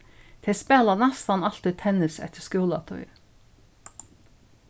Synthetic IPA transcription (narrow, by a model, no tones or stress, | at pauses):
t̪ʰɛspɛːlanɛst̪ɑnɑl̥t̪ɪt̪ʰɛnɪsɛ̰t̪əskuːlat̪ʰɔ̰ʏ